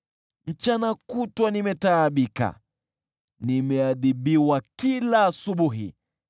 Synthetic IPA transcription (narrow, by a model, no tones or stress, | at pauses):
m̩t͡ʃanakutwanimɛtaːɓika̰ | nimɛaðiɓiwakilaːsuɓuɦḭ